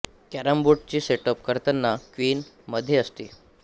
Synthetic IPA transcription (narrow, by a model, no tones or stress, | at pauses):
kæɾəmbuʈ̚t͡ɕiːseʈəpkəɾt̪ənːakʋiːn | məd̪ʱːjeəst̪ḭː